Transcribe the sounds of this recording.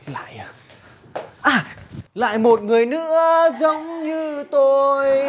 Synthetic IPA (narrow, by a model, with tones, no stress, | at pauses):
la̰ː˧˨jʔ | ʔaː˨˩la̰ː˧˨jmo˨˩t̚ŋɨ˨˩əjnɨ̰˧˥əzə˨˦wŋ͡mɲɨ˧t̪o˧j